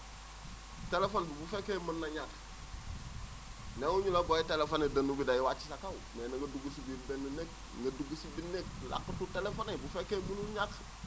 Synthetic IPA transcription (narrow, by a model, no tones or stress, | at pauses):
telefonbubufekemənːaɲak | neuɲulabojitelefanedanubidajiwat͡ʃi̥sakawmenaŋɡɐduɡusibibenːanek̚ | ŋɡɐduɡusibinek̚la̰kːətutelefonebufekemunuɲak